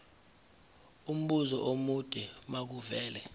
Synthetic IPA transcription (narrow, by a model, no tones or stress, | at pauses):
um̩ɓuzɔʔomud̥ʱʼɛmak̬uvɛːlɛ